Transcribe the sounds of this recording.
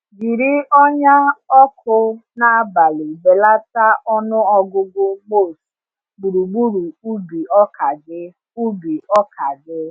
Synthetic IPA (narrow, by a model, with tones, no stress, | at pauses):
ɡi˨ɾi˦ɔ˦ɲa˦ɔ˦kʰʊ˦na˦a˦ba˨lɪ˨be˨la˦ta˦ʔɔ˦nʊ˦ɔ˦ɡʊ˦ɡ͡bʊ˦mo˦˨s | ɡ͡bu˨ɾu˨ɡ͡bu˦ɾu˨u˦bi˨ɔ˦ka˨ɡɪ˦ | u˦bi˨ɔ˦kʰa˨dɪ˦